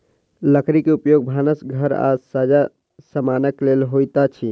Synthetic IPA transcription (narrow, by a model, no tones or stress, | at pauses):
ləkɾikeupjoɡ̚bʱanəsɡʱəɾa̰sad͡ʒa | səmanəklelɦojt̪at͡ʃʰi